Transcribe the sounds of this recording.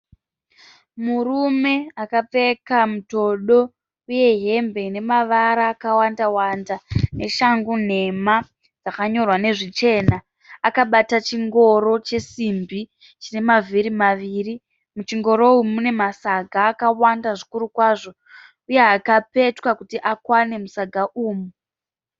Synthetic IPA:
murume̞akap͡fe̞kamuto̞ɗo̞ | uje̞ɦe̞mbe̞ne̞maʋaɾaːkawandawandane̞ʃaŋɡun̤e̞ma | d͡zakaɲo̞rwane̞ʐit͡ʃe̞naː | kaɓatat͡ʃiŋɡo̞ɾo̞t͡ʃe̞simbi | t͡ʃine̞maviɾimaʋiːri | mut͡ʃiŋɡo̞ɾo̞umune̞masaɡʱaːkawandaʐikuɾukwaːʐo̞ | uje̞akape̞twakutiʔakwane̞musaɡʱaʔuːmu

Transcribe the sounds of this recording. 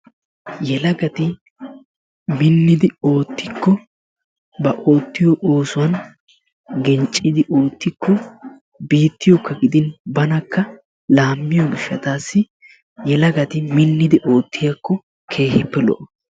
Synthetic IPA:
jɛlɐɡɐt̪ɪ | mɪnːɪd̪ɪo̞ːt̪ːɪkːɔ | bɐʔo̞ːt̪ːɪjɔʔo̞ːsʊwɐn | ɡɛnt͡ʃʼːɪd̪ɪʔo̞ːt̪ːɪkːɔ | biːt̪ːɪjɔkːɐɡɪd̪ɪnbɐnɐkːɐ | laːmːɪjɔɡɪʃːɐt̪aːsːɪ | jɛlɐɡɐt̪ɪmɪnːɪd̪ɪʔo̞ːt̪ʰːɪjɐkːɔ | kʰe̞ːhɪpːɛlɔ̰ʔɔ

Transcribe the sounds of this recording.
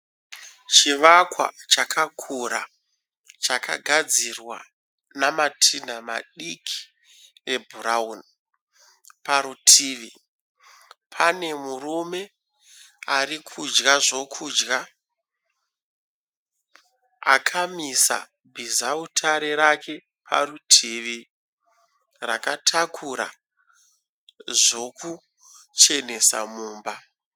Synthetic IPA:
t͡ʃiʋakwa̰t͡ʃakʰakʰuɾa̰ | t͡ʃaka̰ɡʱad͡zirwa | namatʰinama̰ɗikʰi̥ | e̞bʱuraun | paɾutʰiːʋi | pʰane̞murume̞ | arikʰud͡ʒɣaʐo̞kʰuːd͡ʒɡa | a̰kʰamisa̰ | bʱizautʰaɾeɾake̞ | pʰa̰ɾutʰiːʋi | ra̰katʰakʰuɾa̰ | ʐo̞ku | t͡ʃe̞ne̞sa̰muːmba

